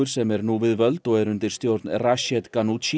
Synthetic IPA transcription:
rsɛmɛrnuːvɪðvəlt̪ɔɛɾʉnd̪ɪrst̪jɔrd̪nraʃɛd̪ɡanut͡ʃi

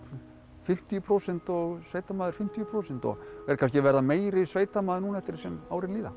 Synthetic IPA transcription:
fɪm̥t̪ijʏpʰɾowsɛn̥t̪ɔɣsveːjt̪amaːðɪɾ̥fɪm̥t̪ijʏpʰɾoːwsɛn̥t̪ɔ̰ɣɛɾ̥kʰanscɪvɛɾðameːjɾɪsveːjt̪amaːðɪɾnuːnaɛft̪ɪɾsɛma̰ːwɾɪnliːða̰

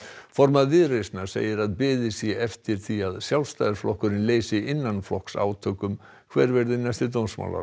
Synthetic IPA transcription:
fɔɾmaðvɪðrejsnaɾ̥sḛːjɪɾaðpɪːðɪsjɛɛft̪ɪɾ̥θiaðsjawlst̪ajðɪɾ̥flɔhkʏɾɪnleːjsɪɪnːanflɔhksa̰ːwt̪ʰœːkʏm | kʰvɛɾvɛɾðɪnajst̪ɪt̪ownsma̰wla̰

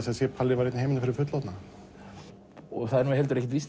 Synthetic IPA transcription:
sɛsjɛpʰalːɪvaɾejt̪nhejmɪnafɪɾɪɾfʏt̪lat̪na | ɔɣθaðɛɾnuɦɛlt̪ʏɾɛçcːɪt̪vist

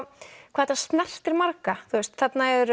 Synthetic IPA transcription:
kʰvaːɛt̪ast̪nɛr̥t̪ɛɾmaɾkaθuɛst̪θɛt̪naɛðɾ

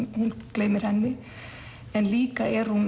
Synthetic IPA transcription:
hunklejmɪɾ̥hɛnːɪ | ɛnliːkaʔɛɾ̥hun

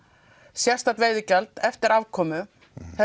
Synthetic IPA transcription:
sjɛr̥st̪at̪veːjðɪcɛlt̪ɛft̪ɪɾavkʰɔːmʏ | θɛ

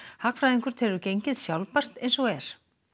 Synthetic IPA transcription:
hakfɾajðiŋkʏɾ̥t̪ʰɛːɾʏcejɲcɪðsjawlpar̥t̪ejnsɔɣɛɾ̥

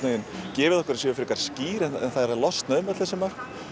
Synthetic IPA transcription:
ejɪncɛːvɪðɔhkvʏɾasjʏːʏfɪɾikaɾ̥sciːɾɛnɛ̰nθaðɛɾaðlɔst̪naðʏmvɛt̪lθɛsɪmar̥k

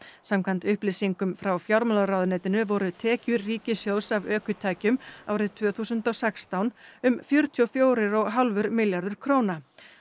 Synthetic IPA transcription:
samkʰvant̪ʏhplɪsiŋkʏmfɾawfjawɾmalaɾawðʏnɛːt̪ɪnʏvɔɾʏt̪ʰɛːcʏɾriːcɪsjowsavœːkʏt̪ʰaːjcʏma̰ːwɾɪðt̪ʰv̥œːθuːsʏnt̪ɔɣsɛkst̪awnʏmfjœɾ̥t̪ʰiɔfjoːwɾɪɾɔɣɦalvʏɾmɪljaɾðʏɾ̥kʰɾoːwna

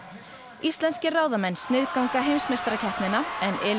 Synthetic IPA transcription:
ist̪lɛnscɪraːwðamɛnst̪nɪðkawŋkaɦejmsmɛst̪ɾacʰɛhp̪nɪnːaɛnɪːl

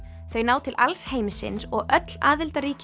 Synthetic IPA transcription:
θœɥnaːwt̪ʰɪlʔalsheːjmɪsɪ̰nsɔɣʔœt̪laːðɪlt̪aɾiːc

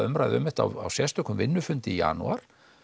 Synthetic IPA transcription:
ʏmɾajðɪʏmɪht̪a̰wawsjɛ̥st̪ʏkʏmvɪnːʏfʏnt̪ɪija̰nṵaɾ̥

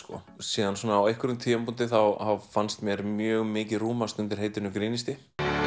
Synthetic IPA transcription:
skɔ̰ | siːðansɔːnaːwejhkʏɾʏmt̪ʰiːjampunt̪ɪθawhavfanst̪mjɛɾmjœːɣmɪːcɪruːmast̪ʏnt̪ɪɾɦejt̪ɪnʏmkɾiːnist̪ɪ

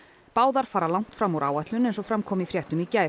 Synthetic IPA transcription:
paːwðaɾ̥faːɾalawŋ̥t̪fɾamuɾʔaːwaht̪lʏnɛnsɔfɾamkʰɔːmiθfɾjɛht̪ʏmicaːj

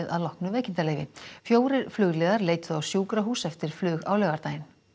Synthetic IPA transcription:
ɪða̰ðlɔhknʏvɛːjcɪnt̪aleːjvɪ̰fjoːwɾɪɾflʏːɣlɛːðaɾleːjt̪θuawsjuːkɾaɦuːsɛft̪ɪɾ̥flʏːɣa̰ːwlɛɣaɾt̪aːjɪn

